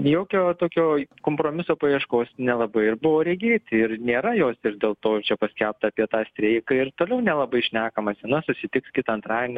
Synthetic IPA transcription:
joːkʲoːt̪oːkʲoːkoːmpɾoːmʲɪsoːpɐjiɛʃkoːsnʲɛlˠɐbɐɪɪrbʊʋoːɾʲɛɡʲeːt̪ʲɪrnʲeːɾɐjoːsɪrd̪ʲeːlˠt̪oːt͡ʃʲɛpɐsʲkʲælp̚t̪ɐɐpʲiɛt̪ɑːsʲt̪ʲɾʲeɪkɐɪrt̪oːlʲɛʊnʲɛlˠɐbɐɪʃʲnʲæːkɐmɐsʲnɐsʊsʲɪt̪ʲɪkskʲɪt̪ɐɐnt̪ɾɑːdʲɪnʲ

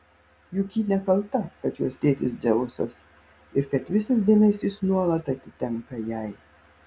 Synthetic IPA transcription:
juːkʲiːnʲɛkɐlˠt̪ɐkɐt̪juɔst̪ʲeːt̪ʲɪsd̪zʲɛʋʊso̰ːs | ɪɾkɐt̪ʋʲɪsɐs̬d̪ʲeːmʲɛsʲiːsnuɔlˠɐt̪ɐt̪ʲɪt̪ʲɛŋkɐjɛɪ

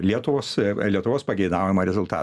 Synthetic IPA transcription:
lʲiɛt̪ʊʋoːslʲiɛt̪ʊʋoːspɐɡʲɛɪd̪ɑˑʊjɛmɐɾʲɛzʊlˠt̪ɑ̰ː

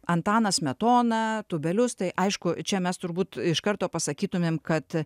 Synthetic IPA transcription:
ɐnt̪ɑːnɐsmʲɛt̪oːnɐt̪ʊbʲɛlʲʊst̪ɐɪʔɐɪʃkʊt͡ʃʲɛmʲɛst̪ʊɾbuːt̪ɪʃkɐɾt̪oːpɐsɐkʲiːt̪ʊmʲeːmkɐt̪

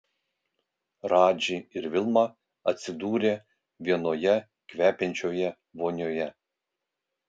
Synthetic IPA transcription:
ɾɑːd͡ʒʲɪɪɾʋʲɪlˠmɑ | ɐt̪ʲsʲɪd̪uːɾʲeː | ʋʲiɛnoːjɛ | kʋʲæːpʲɛnʲt͡ʃʲoːjɛ | ʋoːnʲoːjɛ

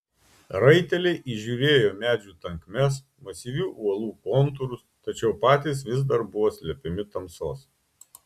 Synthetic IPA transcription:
ɾɐɪt̪ʲɛlʲɛɪʔiʒʲuːɾʲeːjoːmʲæːd͡ʒʲuːt̪ɐŋkmʲɛs̬ | mɐsʲiːʋʲuːʔuɔlˠuːkoːnt̪ʊɾʊst̪ɐt͡ʃʲɛʊpɑːt̪ʲiːsʋʲɪz̬d̪ɐɾbʊʋoːsʲlʲɛpʲɪmʲɪt̪ɐmsoːs

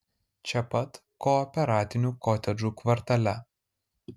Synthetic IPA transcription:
t͡ʃʲɛpɐt̪ | kɔɔːpʲɛɾɑːt̪ʲɪnʲuːkɔːt̪ʲɛd͡ʒuːkʋɐɾt̪ɐlʲɛ

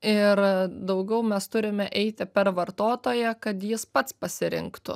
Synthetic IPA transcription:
ɪɾd̪ɐʊɡʲɛʊmʲɛst̪ʊɾʲɪmʲɛʔɛɪt̪ʲɪpʲɛɾʋɐɾt̪oːt̪oːjɛkɐt̪jɪspɐt̪spɐsʲɪɾʲɪ̰ŋkt̪ʊ̰

